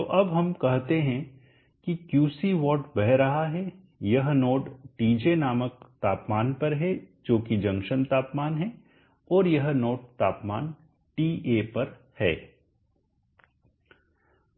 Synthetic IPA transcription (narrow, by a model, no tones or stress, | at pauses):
t̪oːʔɐbɦɐmkɐɦt̪eɦɛ̃ | kikjuːsiʋɔːʈbɛɦɾɐɦaɦɛ | jɐɦnoːɖʈiːd͡ʒenaːmək̚t̪aːpmaːnpɐɾɦɛd͡ʒoːkid͡ʒɐ̃ŋʃənt̪aːpmaːnɦɛ | ɔːɾjɐɦnoːʈ̚t̪aːpmaːn | ʈiːʔeːpɐɾ | hɛ̰ː